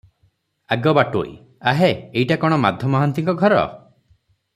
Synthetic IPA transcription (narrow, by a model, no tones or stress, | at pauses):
aɡɔbaʈo̰j̰ | aɦeejʈakɔɽ̃ɔmad̪ʱjɔmɔɦant̪iŋkɔɡʱɔɾɔ̰